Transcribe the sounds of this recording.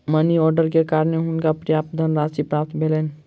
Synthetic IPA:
məniɔːɾɖəɾkekaːɾəneɦʊnkapɾjaːp̚d̪ʱənɾaːsipɾaːp̚t̪ʰbʱeleːn

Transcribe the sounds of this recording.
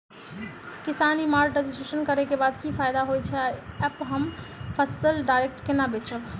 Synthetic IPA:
kisanimaɾɖəɡsʈeʃənkəɾɛkebad̪kipʰajd̪aɦojt͡ʃʰɛaɛpɦəmpʰəsəlɖajɾek̚ʈkenabet͡ʃʰəb

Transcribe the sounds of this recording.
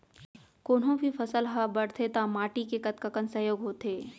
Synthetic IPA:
koːnɦõbʱifʰɐsəlɦabɐɽt̪ʰet̪amaːʈikekɐt̪kəkənsɐɦjoːɡɦoːt̪eː

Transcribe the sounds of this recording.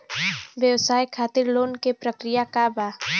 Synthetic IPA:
ʋjəwsaːjkʰaːt̪ɪɾloːnkepɾəkɾɪjakabaː

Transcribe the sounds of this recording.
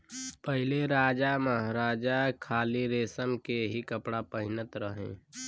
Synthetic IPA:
pəɦɪleɾaːd͡ʒaməɦɾaːd͡ʒakʰaːliɾeːsəmkeɦikəpɽapəɦɪnət̪ɾəɦḛ̃ː

